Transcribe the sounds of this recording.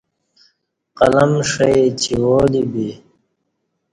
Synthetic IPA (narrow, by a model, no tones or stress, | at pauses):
qɐlɐmʂɐit͡ɕʰiwoːlibi